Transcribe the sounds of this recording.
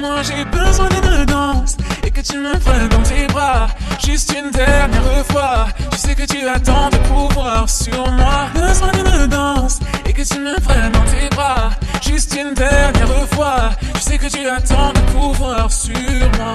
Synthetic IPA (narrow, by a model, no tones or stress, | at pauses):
mwaʒebəzwɛ̃d̪ynəd̪ɑ̃sekət̪yməvʁɛ̃d̪ɑ̃t̪ebʁaʒyst̪ynd̪ɛʁnjɛʁəfwat̪ə̥sɛkət̪yat̪ɑ̃d̪əpuvwaʁsyʁmwabəzwɛ̃d̪ynəd̪ɑ̃sekət̪yməvʁɛ̃d̪ɑ̃t̪ebʁaʒyst̪ynd̪ɛʁjɛʁəfwat̪əsɛkət̪yat̪ɑ̃d̪əkʰuvwaʁsyʁmwa